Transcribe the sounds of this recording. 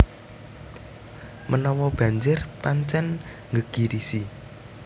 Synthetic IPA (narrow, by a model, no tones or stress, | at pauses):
mʔənɔwɔb̥ä̤ɲd͡ʒɪrpaɲt͡ʃɛn | ŋɡəɡ̥iɾisi